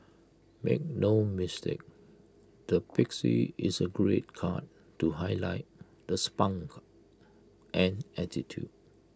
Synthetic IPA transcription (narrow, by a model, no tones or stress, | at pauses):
mḛk̚nomistḛk̚ | d̥əpiksḭisəɡɹet̚kʰa̰t | tːuɦaɪlaɪt̚ | dəspãŋk | ʔɛ̃nɛtitʰjṵd̚